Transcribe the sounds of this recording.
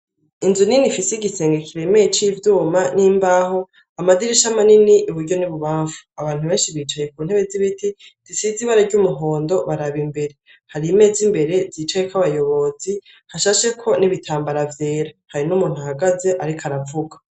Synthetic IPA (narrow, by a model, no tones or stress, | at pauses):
inzuninifiseiɡise̞ːŋɡekiɾe̞me̞jet͡ʃivjuːmaniːmbaːɦo̞ | amadiɾiʃamaniniʔuβuɾɟo̞niβuβaːɱfu̥aβaːn̥huβe̞ːnʃiβiːt͡ʃaje̞k̚uːn̥he̞βe̞ziβitiz̥isiziβaɾaɾɟumuɦo̞ːndo̞βaɾaβimbe̞ɾe̞ | haɾime̞ːzimbe̞ɾe̞ziːt͡ʃajekaβajo̞βo̞z̥i | haʃaːʃe̞kʰo̞niβitʰaːmbaɾavje̞ːɾahaɾinumuːn̥huhaɡaze̞ʔaɾikʰaɾavuɡa